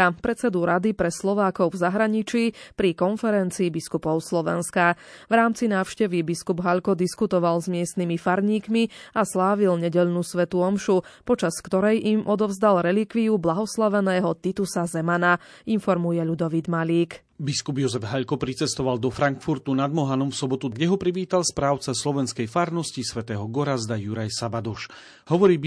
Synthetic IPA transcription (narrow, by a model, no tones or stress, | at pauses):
pɾɛt͡sɛd̪uɾad̪ipɾɛslɔʋaːkɔʊvzaɦɾaɲit͡ʃiːpɾikɔnfɛɾɛnt͡siːbiskupɔʊslɔʋɛ̰nska | ʋɾaːmt͡sinaːʊʃcɛʋibiskubɦaʎkɔd̪iskut̪ɔʋalzmɪɛst̪nimifaɾɲiːkmiaslaːʋilɲɛɟɛʎnusʋɛt̪uɔmʃupɔt͡ʃaskt̪ɔɾɛjʔimʔɔd̪ɔʊzd̪alɾɛlikʋiublaɦɔslaʋɛnɛːɦɔt̪it̪usazɛmana | infɔɾmujɛʎud̪ɔʋid̪maʎiːk | biskubjɔzɛvɦaʎkɔpɾit͡sɛst̪ɔʋald̪ɔfɾaŋkfuɾt̪unad̪mɔɦanɔmfsɔbɔt̪uɡɟɛɦɔpɾiʋiːt̪alspɾaːʊt͡saslɔʋɛnskɛjfaɾnɔscisʋɛt̪ɛːɦɔɡɔɾazd̪ajuɾajsabad̪ɔʃ | hɔʋɔɾiː